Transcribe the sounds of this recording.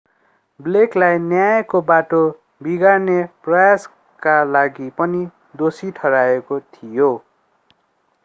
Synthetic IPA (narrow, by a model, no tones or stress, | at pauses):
bleklajnjajkobaʈo | biɡarneprʌjas | kalaɡipʌni | d̪osiʈʰʌɾaekot̪ʰijo